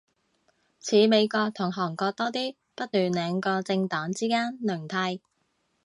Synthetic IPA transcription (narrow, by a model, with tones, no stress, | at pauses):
t͡sʰiː˨˧me˨˧jkɔː˧k̚t̪ʰʊ˨˩ŋɦɔː˨˩ŋkɔː˧k̚t̪ɔː˥t̪iː˥ | pɐ˥t̚nyː˨˩nlɛː˨˧ŋkɔː˧t͡sɪ˧ŋt̪aː˨˥nt͡siː˥kaː˥nːɵ˨˩ŋt̪ʰɐ˧j